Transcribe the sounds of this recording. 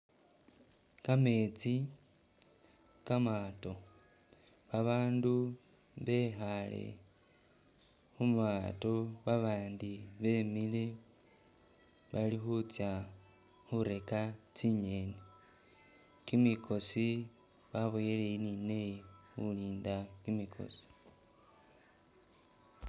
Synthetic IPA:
kame̞t͡si | kamato̞ | βaβaːndu | βe̞xalḛ | xumβato̞βaβaːndiβe̞mile̞ | βalixut͡sja | xuɾe̞kat͡siɲe̞ne | kimikʰo̞si | βaβojelejinine̞jxuliːndakimikʰo̞̰si̥

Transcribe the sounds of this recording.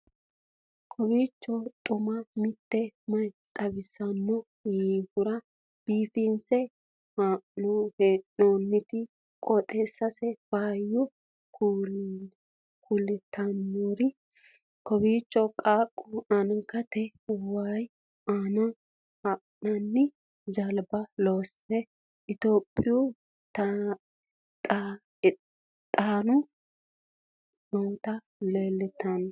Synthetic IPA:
kʰɔbiːt͡ʃːɔt̪ʼʊmɐmɪt̪ːɛmɐjt͡s̪ʼɐbɪsɐnːɔ | iːhʊɾɐ | b̥iːfinsɛ | hanoheoːnːɪt̪ɪ | kʼɔt̪ʼeːsːɐsɛbaːjːʊ | kʰulːɛt̪ʰːɐnːoːɾɪ | kɔbiːt͡ʃʼːɔkʼaːkʼːʊanɐkɐt̪ɛʊwaj | anɐ | hɐ | nɐnːɪ | d͡ʒɐlbɐloːsɛ | ʔɪt̪oːpʼːɪju | t̪ | tʼː | t̪ʼaːnʊ | mɐwt̪ɐ | leːlːɛt̪ːɐn

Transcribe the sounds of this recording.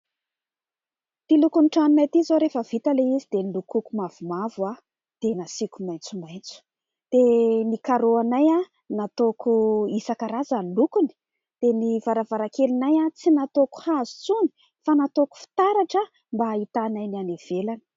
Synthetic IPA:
t̪ilukunʈ͡ʂaninajt̪izoɾefəv̥it̪əleizid̪enilukukumav̥umava | d̪̥enasikumajnt͡sumajnt͡su̥ | d̪̥enikaɾoanaja | nat̪okuisakaɾazanlukuni̥ | d̪̥enivaɾavaɾakelinajat͡sinat̪oku̥hazu̥t͡suni̥ | fanat̪oku̥fi̥t̪aɾaʈ͡ʂə | mbaːit̪anajnanev̥elani̥

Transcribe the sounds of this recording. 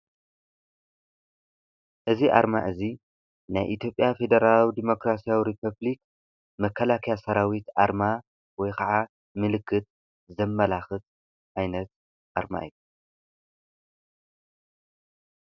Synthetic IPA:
ʔɨziʔa̰ɾma̰ʔɨzi | najʔit̪ʰjo̞pʼːjafe̞d̪ɐɾalawid̪imo̞kɾasijawiɾipʰɐblik | mɐkʰːɐlakʰjasɐɾawit̪ʔaɾma | wɔjkʰɐʕa | mɨlɨkʰːɨt̪̚ | zɐmːɐlaxɨt̪̚ | ʔajnɐt̪̚ | ʔaɾma̰ʔḭju

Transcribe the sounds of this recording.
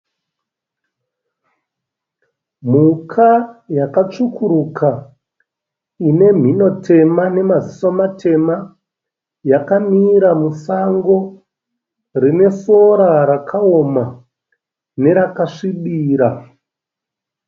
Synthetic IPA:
m̤ukʰajakat͡ʂukʰuɾukʰa | ine̞m̤ino̞tʰe̞mane̞mazisomatʰe̞ma | jakamiɾamusaŋɡo̞ | rine̞so̞ɾaɾakʰaoma | ne̞ɾakaʂiɓiːɾa

